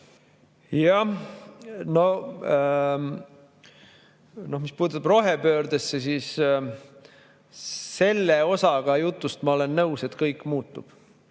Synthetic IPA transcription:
jɑ | no̞ | no̞hmispuːd̪̥ut̪ːɑbro̞ɦepøːɾd̪esːesis | se̞lːeo̞sɑɡ̥ɑjut̪ːˑust̪mɑo̞le̞nːɤwse̞t̪kɤjkːˑmuːt̪ːˑub̥

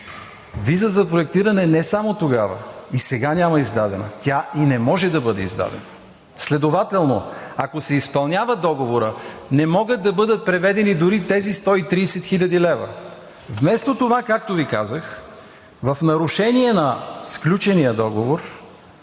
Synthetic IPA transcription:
vizəzɐpɾoɛk̚t̪iɾɐnɛnɛsamot̪oɡavə̰isɛɡanʲamɐizd̪ad̪ɛnə̰t̪ʲjainɛmɔʒɛd̪ɐbɤd̪ɛḭzd̪a̰d̪ɛ̰nɐ | slɛd̪ovat̪ɛlˠnoɐkosɛispɐlˠnʲavəd̪ɔɡovoɾənɛmɔɡət̪̚d̪ɐbɤd̪ət̪̚pɾɛvɛd̪ɛnid̪ʊɾit̪ɛzist̪ɔit̪ɾiːsɛt̪xilʲɐd̪ilɛvə̰ | vmɛst̪ot̪ovakak̚t̪ovikazəx | vɐfnɐɾʊʃɛniɛnɐsklʲut͡ʃɛnijəd̪ɔɡovoɾ

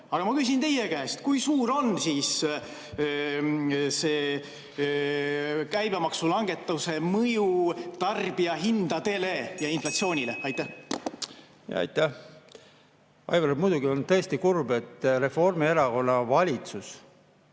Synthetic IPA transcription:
ɑɡ̥ɑmɑkys̬ʲint̪e̞jekæest̪kujsuːɾo̞nsiːs | se̞ː | kæjb̥emɑksulɑŋɡ̥e̞t̪ːˑɑwse̞mɤjut̪ɑrb̥iɑɦind̪̥ɑt̪e̞ːlejɑinflɑt̪sio̞ːnʲilḛɑjt̪ːæh | jɑ̰ɑ̰jt̪ːæh | ɑ̰jvɑɾmujd̪uɡiont̪ɤːst̪ikurbe̞t̪ːre̞fo̞rmieɾɑko̞nːɑvɑlʲit̪sus

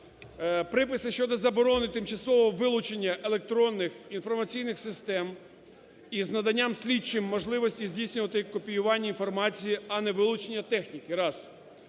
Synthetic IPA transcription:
pɾɪpɪsɪʃt͡ʃɔd̪ɔzɐbɔɾɔnɪt̪ɪmt͡ʃɐsɔʋɔʋɪlˠʊt͡ʃe̞nʲːɐʔelˠek̚t̪ɾɔnːɪxinfɔrmɐt͡sʲijnɪxsɪst̪ɛm | iznɐd̪ɐnʲːamsʲlʲit͡ʃɪmːɔʒlˠɪʋɔsʲtʲizʲdʲijsʲnʲʊʋɐt̪ɪkɔpʲijʊʋɑnʲːɐinfɔrmɑt͡sʲijiɐnɛʋɪlˠʊt͡ʃenʲːɐt̪ɛxnʲikɪɾɑs

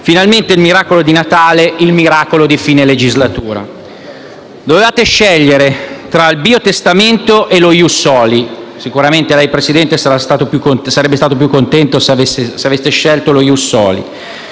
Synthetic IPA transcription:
finalment̪eilmiɾaːkolod̪inat̪aːleʔilmiɾaːkolod̪ifiːneled͡ʒizlat̪uːɾa̰ | d̪ovevaːt̪eʃɛʎːeɾet̪ɾailbiːot̪est̪ament̪oʔelojusːɔːli | sikuɾament̪elɛjpɾesid̪ɛnt̪esaɾast̪aːt̪opjukːonsaɾɛbːest̪aːt̪op̬jukːont̪ɛnt̪osaveseseavestːeʃɛlt̪olojusːɔ̰ːlḭ

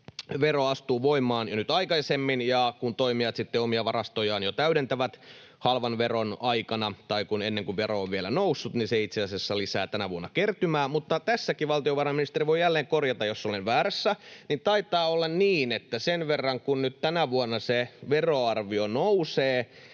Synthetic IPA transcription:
ʋeroɑst̪uːʋoimːˑɑːnjonyt̪ɑikɑisemːinjɑkunt̪oimiɑt̪sit̪ːeomiɑʋɑrɑst̪ojɑːnjot̪æyɾent̪æʋæt̪ | hɑlʋɑnʋeronɑikɑnɑt̪ɑikunenːeŋkuʋʋeɾooʋʋielænousːut̪niseit̪seɑsiɑsːɑlisæːt̪ænæʋuonːɑkert̪ymæːmut̪ːɑt̪æsːækiʋɑlt̪ioʋɑrɑminist̪eɾriʋoijjælːeːŋkorjɑt̪ɑjosːolenʋæːræsːænint̪ɑit̪ˑɑːolːɑnniːnet̪ːæsenʋerːɑŋkunnyt̪t̪ænæʋuonːɑseʋeroɑrʋionowseː

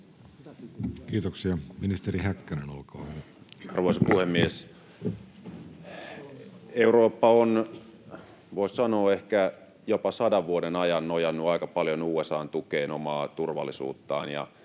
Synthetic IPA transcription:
kiːt̪oksiɑminist̪eɾihækːænenolkoː | ɑrʋoisɑpuhemːies | euroːpːɑon | ʋoˑissɑnoːehkæ | jopɑsɑdɑʋʋuodenɑjɑnːojɑnːuɑikɑpɑljonuːesɑːnt̪ukeːnomɑːt̪urʋɑ̰lːisṵːt̪ːɑ̰ːnjɑ̰

